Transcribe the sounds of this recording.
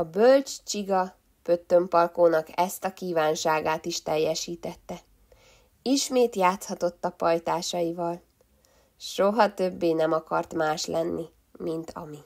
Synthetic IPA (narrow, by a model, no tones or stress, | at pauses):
ɒbølt͡ʃt͡ʃiɡɒ | pø̞t̪ːø̞mpɒlkoːnɒkɛst̪ɒkiːvaːnʃaːɡaːt̪iʃt̪ɛjːɛʃiːt̪ɛt̪ːɛ | iʃmeːt̪jaːt̪shɒt̪o̞t̪ːɒpɒjt̪aːʃɒjivɒl | ʃoɦɒt̪ø̞bːeːnɛmɒkɒ̰rt̪maːʃlʔɛnːi | mint̪ɒ̰mi